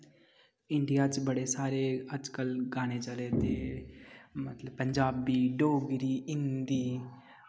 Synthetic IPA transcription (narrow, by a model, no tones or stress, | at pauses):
ɪɳɖijaːt͡ʃbəɽesaːɾeəd͡ʒkəlɡaːɽ̃et͡ʃəlet̪eː | mət̪ləbpəɲd͡ʒaːbiːɖoːɡɾiːɪnd̪iː